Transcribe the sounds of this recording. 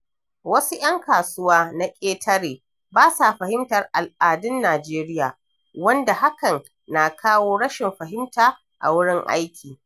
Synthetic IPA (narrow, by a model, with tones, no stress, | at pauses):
wɐ˦su˦ʔj̰ɐ˦ŋkaː˨sʊ˦waː˦na˦kʲʼeː˦tʰɐ˦ɽeː˨ | baː˦sa˨ɸɐ˨hɪ˦mtɐ˨rʔa˨lʔaː˨dʊ˦nːaː˨d͡ʒeː˦ɾɪ˦jaː˨ | wɐ˦nda˨ha˦kɐ˨n | na˨kʰaː˦woː˦ɽɐ˦ʃɪ˨mɸɐ˨ɦɪ˦mtaː˨ | ʔa̰˨wʊ˦ɽɪ˦ŋʔa̰˦jkʲʰiː˨